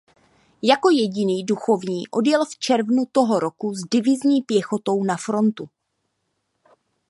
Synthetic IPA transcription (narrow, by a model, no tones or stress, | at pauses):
jako̞jɛɟɪniːduxo̞vɲiːʔo̞djɛlft͡ʃɛɾvnut̪o̞ɦo̞ɾo̞kuzdɪvɪzɲiːpjɛxo̞t̪o̞wnafɾo̞nt̪u